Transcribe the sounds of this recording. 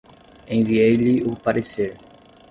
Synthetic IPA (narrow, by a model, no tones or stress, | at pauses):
ẽj̃viejlɪʊpaɾeseɾ